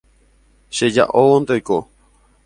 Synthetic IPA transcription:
ʃeja̰ʔowond̪eojko

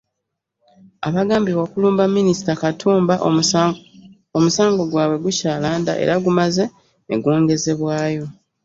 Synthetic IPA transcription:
aβaɡaːmbiwakuluːmbamːinisi̥takatʰuːmbaʔ | omusaːŋɡo̞ɡwaːβwe̞ɡucaːlaːnda̰ʔe̞̰ɾaɡumaze̞̰ː | ɡoːŋɡe̞ze̞βwaːjo̞

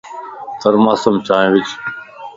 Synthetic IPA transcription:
t̪əɾmaːsəmt͡ʃʰaːẽʋɪt͡ʃ

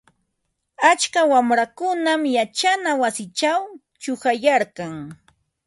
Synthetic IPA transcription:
at͡ʃkawamɾakʊnamjat͡ʃanawasɪt͡ʃaw | t͡ʃʊxajaɾkɑŋ

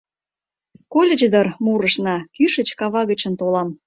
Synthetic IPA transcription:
kolʲĕd͡ʑd̪ərmuɾəʃnɑkyʃə̆t͡ɕkɑβɑɣət͡ɕə̆nt̪olɑm

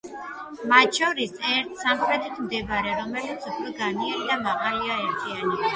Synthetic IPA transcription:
mat̪ʃɔɾisɛɾt̪ʰsamχɾɛt̪ʰit̪ʰmd̪ɛbaɾɛɾɔmɛlit̪sʰupʰɾɛɡanianid̪amaʁaliaɛɾt̪ʰiani

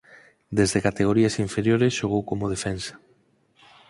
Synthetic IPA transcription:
d̪ezðekat̪eɣ̞oɾiasiɱfeɾjoɾesʃoɣ̞owkomoð̞efensḁ

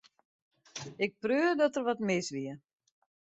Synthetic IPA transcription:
ɪk̚prøːdɔtərʋɔtmɪsʋiə

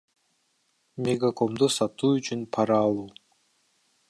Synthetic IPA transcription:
mʲeɡako̞md̪usɑt̪uːyt͡ʃynpʰɑɾɑːlˠuː

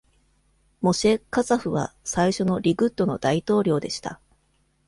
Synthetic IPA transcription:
mo̞ɕe̞kazaɸɯ̟βa̰saiɕo̞no̞ɾʲiɡɯ̟t̪ːo̞no̞d̪ait̪o̞ːɾʲo̞ːd̪e̞ɕi̥t̪a̰

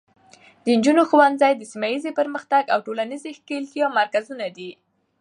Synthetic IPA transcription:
d̪̥ənd͡ʒunoxwand̪zajd̪əsimajizepəɾməxt̪aɡawʈolanizexkelt̪jɑmaɾkazunad̪i

